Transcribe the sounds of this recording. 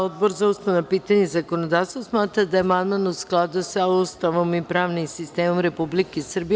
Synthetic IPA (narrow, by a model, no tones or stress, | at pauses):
od̪̚boɾzaust̪anapit̪aɲɛzakonod̪afst̪vosmat̪ɾad̪aɛmalˠmanusklˠad̪usaust̪aʋomipɾaːvnimsist̪ɛmomɾɛpublikisrbi